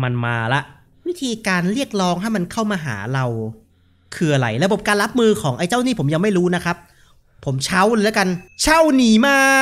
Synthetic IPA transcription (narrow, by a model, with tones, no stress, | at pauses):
ma˧nma̰ː˧la˦˥ʔ | wi˦˥t̪ʰiː˧kaː˧nɾi˥˩ək̚ɾɔː˦˥ŋha˥˩jma˧nkʰa˥˩wmaː˧ɦa̰ː˩˦ɾa˧w | kʰɯ˨˩ɐla̰˨˩jɾa˧bo˨˩˦p̚kaː˧nla˦˥p̚mɯː˧kʰɔː˩˦ŋʔa˧jt͡ɕa˥˩wniː˥˩pʰo˩˦mja˧ŋma˥˩jɾuː˦˥na˦˥kʰa˦˥p̚ʰː | o˩˦mt͡ɕʰa˦˥wlɛː˦˥ɐka˧nt͡ɕʰa˥˩wniː˨˩˦maː˥˩